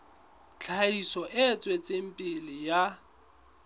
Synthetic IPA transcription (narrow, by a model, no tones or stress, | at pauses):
t͡ɬʰaisɔʔɪt͡sʼwet͡sʼem̩pʼɪlɪja